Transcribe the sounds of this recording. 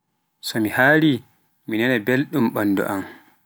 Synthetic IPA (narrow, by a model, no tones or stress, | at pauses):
sɔmihaːli | minɛnɛbelɗumɓanːdɔ̰ʔam